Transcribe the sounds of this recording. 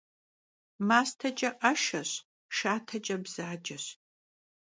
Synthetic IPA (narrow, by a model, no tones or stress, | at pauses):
maːstʰɐt͡ʃʼɐʔɐʃɐɕ | ʃaːtʰɐt͡ʃʼɐbz̥aːd͡ʒɐɕ